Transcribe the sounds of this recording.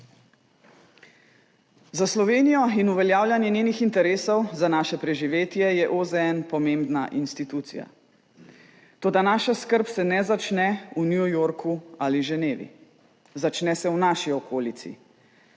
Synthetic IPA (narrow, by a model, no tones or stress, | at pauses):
zaslɔʋeːnijɔinuʋɛljaːwljanjɛnjeːnixint̪ɛɾeːsɔwzanaːʃɛpɾɛʒiʋeːt̪jɛjɛʔozɛɛnpɔmembna̰ʔinst̪it̪uːt̪sḭja̰ | t̪oːd̪anaːʃaskəɾpsɛnɛzat͡ʃnɛunjujoɾkʰualiʒɛneːʋḭ | zat͡ʃnɛsɛwnaːʃiɔkoːlit̪sḭ